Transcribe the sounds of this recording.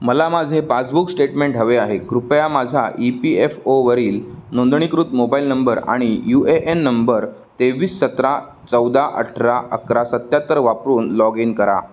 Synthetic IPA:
məlamad͡zʱepat͡sbuksʈeʈmẽɳʈɦəʋeaɦeɡɾupjamad͡zʱa̰ʔipiefoʋəɾiːlnõnd̪ɳ̃ikɾut̪mobailnəmbəɾa̰ɽ̃ijueʔenːəmbəɾ | t̪eʋiːssət̪ɾa | t͡səwd̪aʔə̰ʈʰɾaə̰kɾasət̪jat̪əɾʋapɾuːnlɔɡinkəɾa̰

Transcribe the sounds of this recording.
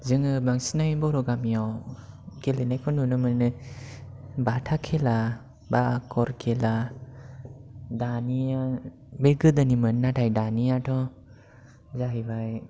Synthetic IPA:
zɯŋɯbaŋsinajbɔɾɔɡamijawkelenajkʰɔnunɯmɯnɯ | batʰakʰela | bakʰɔɾkʰela | dania | beɡɯdanimɯnnːatʰajdanijatʰɔ | zaɦibaj

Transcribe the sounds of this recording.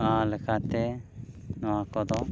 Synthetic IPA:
alɛkat̪ɛ | nɔwakɔd̪ɔ

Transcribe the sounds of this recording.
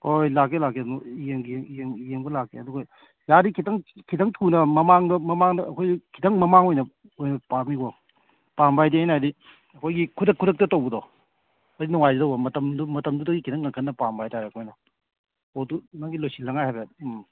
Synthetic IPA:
hojlakːelak̬ːenɔijeŋɡiŋieŋijeŋbɐlakːeɐduɡɐ | jaɾikʰitɐŋkʰitɐŋtʰunɐmɐmaŋdɐmɐmaŋnɐɐkʰojɡikʰitɐŋmɐmaŋojnɐ | ojnɐpaɾmikɔ | pambajdiajnajdi | ɐkʰojɡikʰudɐkʰːuɾɐk̚tɐtowbɐdɔ | ɐdinuŋajzidɐwbɐmɐtɐmdumɐtɐmdudɐɡikʰitʰɐŋɡɐŋkʰɐnːɐpambajtʰaɾeɐkʰojnɔ | otunaŋɡilojsilːɐŋajhajbe

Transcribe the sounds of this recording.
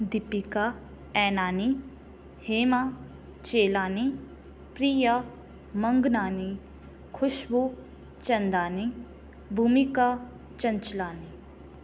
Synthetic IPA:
d̪ɪpika | ɛːnaːni | heːma | t͡ʃeːlaːni | pɾiːja | mə̃ŋɡnaːni | kʰʊʃbu | t͡ʃɐ̃nd̪aːni | bʱuːmika | t͡ʃɐ̃nt͡ʃlaːni

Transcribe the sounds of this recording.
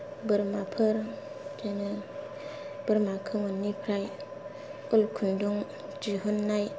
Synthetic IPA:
bəɾmapʰəɾ | d͡ʒenɯ | b̥əɾmakʰɯmonːipʰɾaj | ulkʰunduŋ | d͡ʒiɦunːaj

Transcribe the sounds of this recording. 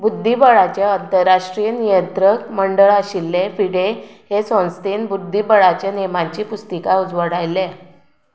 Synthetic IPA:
bud̪ʱːibəɭat͡ɕjaənt̪əɾːaʂʈɾijənijənt̪ɾəkməɳɖəɭaɕilːefiɽeɦesõnst̪enbud̪ʱːibəɭat͡ɕjanemaɲt͡ɕiːpust̪ikaud͡zʋəɽajle

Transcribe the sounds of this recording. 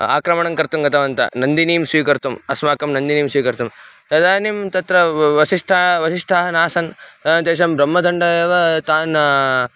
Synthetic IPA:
a̰ːkɾɐmɐɳɐŋkɐɾt̪umɡɐt̪ʰɐʋɐnt̪ɐ̰nɐnd̪iniːmsʋiːkɐɾt̪umɐsmaːkɐmnɐnd̪iniːmsʋiːkɐɾt̪umt̪ɐd̪aːnimt̪ɐt̪ɾɐʋɐʃiʂʈʰaʋɐʃiʂʈʰaɦɐnaːsɐnt̪ɐnt̪eːʃ̬ɐmbɾɐmːɐd̪ʱɐɳɖɐɐʋɐt̪aːn

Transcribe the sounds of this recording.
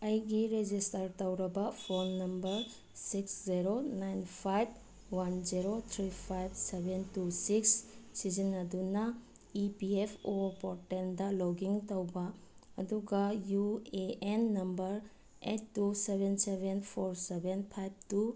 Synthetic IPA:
ɐjɡiɾed͡ʒistɐɾtɐwɾɐbɐpʰonːɐmbɐɾ | siksziɾonajnpʰajb̚ | wanziɾot̪ʰɾipʰajb̚sebentusikssizinɐdunɐ | ipiepʰopɔɾʈendɐlowɡiŋtɐwbɐɐduɡɐjueenːɐmbɐɾ | ḛtːusebensebʱenpʰoɾsebenpʰajb̚tu

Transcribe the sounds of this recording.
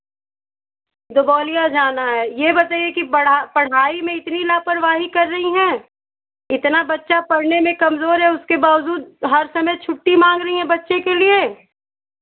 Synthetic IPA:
d̪ʊbɔːlijad͡ʒaːnaɦɛːjebɐt̪aːijekibɐɽapɐɽ̤aːimẽɪt̪nilaːpɐɾʋaːɦikɐɾːɐɦiɦɛ̃ː | ɪt̪nabɐtːʃapɐɽnemẽkɐmzoːɾɦɛʊskebaːʋd͡ʒuːd̪̚ɦɐɾsɐməjt͡ʃʰʊʈːimãːŋɡɾɐɦiɦɛ̃bɐtːʃekelie

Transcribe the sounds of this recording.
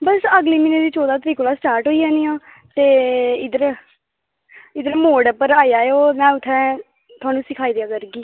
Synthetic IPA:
bəsəɡleːmiːneːd̪iːt͡ʃoːd̪aːt̪əɾiːkoːlaːsʈaːɾʈɦoːiːãːniːãː | t̪eːɪd̪əɾ | ɪd̪əɾmoːɖəpəɾaːijaːeoːmɛ̃ːʊt̪ʰːɛː | t̪ʰʊaːnũːsɪkʰaːiːd̪ejaːkəɾɡiː

